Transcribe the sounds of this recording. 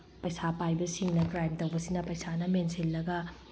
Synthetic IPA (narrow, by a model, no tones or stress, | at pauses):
pɐjsapajbɐsiŋnɐkɾajmtɐwbɐsinɐpɐjsanɐmensilːɐɡɐ